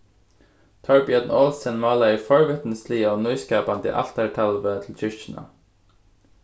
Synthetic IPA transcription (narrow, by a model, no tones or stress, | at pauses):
t̪ʰɔɹbɪəd̪n̩oːlsənmɑːlɑiːfɔɹʋɪt̪nəsliəoːnœʏskɑːpɑnt̪ḭːʔɑ̰lt̪æʈʰɑlʋət̪ʰl̩t͡ʃʰʏʃt͡ʃɪn̩ɑ̰